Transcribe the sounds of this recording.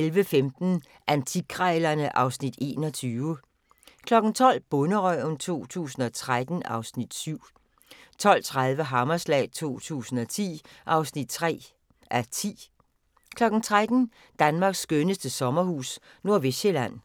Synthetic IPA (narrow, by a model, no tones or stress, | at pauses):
elʋəfemd̥n̩ | ʔænt͡sʰiɡʰʁɑɪlɐnəʔɑ̈ʊsnid̥e̝̰ːnɒ̽t͡sʰyːʊə | kʰlɒ̽ɡ̥n̩t͡sʰɒ̽l̰b̥ɔ̽nəʁœnt͡sʰo̝̰ːt͡sʰṵːsn̩ɒ̽t͡sʰʁad̥n̩ʔɑ̈ʊsnid̥syʊ̰ | t͡sʰɒ̽l̰t͡sʰʁað̞ˠʋəɦɑmɐslɛ̰ːt͡sʰo̝̰ːt͡sʰṵːsn̩ɒ̽t͡sʰḭːʔɑ̈ʊsnid̥̚t͡sʰʁɛ̰ː | æt͡sʰḭː | kʰlɒ̽ɡ̥n̩t͡sʰʁad̥n̩ | d̥ænmɑ̈ːɡ̥sːɡ̥ønəsd̥əsɒ̽mɐhṵːs | no̝ɐʋeɕelæn̰